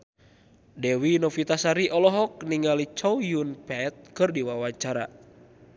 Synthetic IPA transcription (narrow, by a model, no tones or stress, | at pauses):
dɛwinɔfit̪asaɾiʔɔlɔɦɔk̚niŋɡalit͡ʃɔwjunpɛt̪̚kɨrdiwawaɲt͡ʃaɾa̰